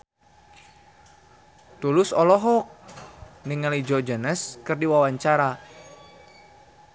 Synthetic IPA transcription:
t̪ulʊsɔlɔɦɔ | nɪŋːalid͡ʒɔd͡ʒənəskɨrdiwawaɲt͡ʃaɾa

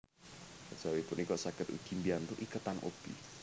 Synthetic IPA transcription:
ḁd͡ʒ̥awipʊnʔikɔʔsakɪt̪ṵɡ̥imbiant̪uʔikət̪anʔo̰b̥i

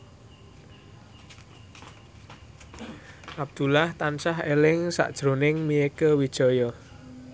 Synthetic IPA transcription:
ʔab̚d̪̥ṳlaht̪ant͡ʃaɦelɪŋsa̰ʔd̥ʒ̥ɾonɪŋmiekəwid̥ʒ̥ɔjɔ

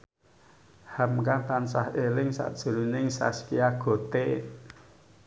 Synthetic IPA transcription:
hamkat̪ansahelɪŋsa̰ʔd̥ʒ̥ṳɾunɪŋsa̰skiaɡ̥o̤t̪e

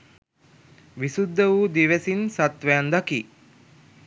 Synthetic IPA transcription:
ʋisud̪ːəʋuːd̪iʋesinsat̪ʋejand̪aki

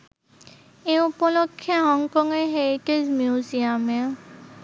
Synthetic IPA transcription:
eupɔlokʰːjaɦɔŋkɔŋeɦeɹitezmjiuziamɛ

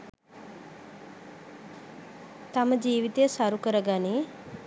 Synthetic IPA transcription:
t̪aməd͡ʒiːʋit̪ejəsaɾukəɾəɡani

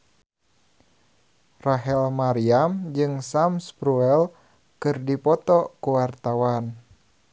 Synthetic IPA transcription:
raɦɛlmaɾiamd͡ʒɨŋsamspɾuɛl | kɨrdipɔt̪ɔkuwart̪awan

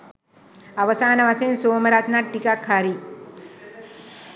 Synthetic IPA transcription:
aʋəsanəʋat͡sẽnsoməɾat̪naʈːikakʰːaɾiː

